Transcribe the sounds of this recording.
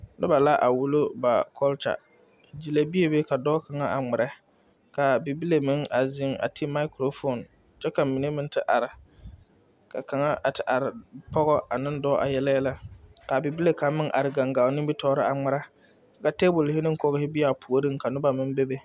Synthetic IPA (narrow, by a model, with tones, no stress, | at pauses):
nʊ̰˦ba˨la˦ʔa˨wu˦lo˦ba˨kʰɔ˦lt͡ʃa̰˨ | d͡ʒi˨la˦bi˦e˦be˦ka˨dɔː˦ka˨ŋa˦ʔa˨ŋ͡mɪ˨ɾɛ˦ | ka˨bɪ˨bi˦le˨mɪ˦ŋa˨zɪ˦ŋa̰˨tʰɪ˦ma˦ɪ˦kɾo˨fo˨n | t͡ʃɛ˦ka˨mi˨ne˦mɪ˦n˦tɪ˦ʔa˨ɾɪ˨ | ka̰˨ka˨ŋa˦ʔa˨tɪ˨ʔa˨ɾɪ˨pɔ˦ɣɔ˦a˨nɪ˦ndɔː˦ʔa̰˨jɛ˦la˦ɛ˦la˦ka˨bɪ˨bi˦le˨ka˨˦mːɪ˦ŋʔa̰˨ɾɪ˨ɡa˨ŋɡa˨ʊ˨nɪ˦bɪ˦tʰɔː˦ɾɪ˦ʔa˨ŋ͡mɪ˨ɾa˦ | ka˨te˦bʊ˨lhɪ˦nɪ˦ŋ˦kɔ˦ɣɪ˦hɪ˦bi˦a˨pʰu˨o˨ɾi˦ŋ˦ka˨nʊ˦ba˨mɪ˦nbe˦be˦